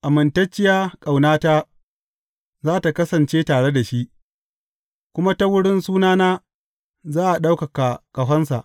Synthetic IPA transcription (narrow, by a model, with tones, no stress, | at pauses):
ʔa˨mɪ˨ntɐ˦t͡ʃːɪ˦jaː˦kʼa˨wnaː˦taː˦ | zaː˦ta˨kɐ˦sɐ˨nt͡ʃeː˦taː˨ɽe˦da˨ʃi˦ʔ | kʷʊ˦ma˦ta˦wʊ˦ɽɪ˦nsuː˦naː˦naː˦ | zaː˦ʔa˨ɗa˦wkɐ˨ka˨kɐ˨ɦʷɐ˦nsa̰˨ʔ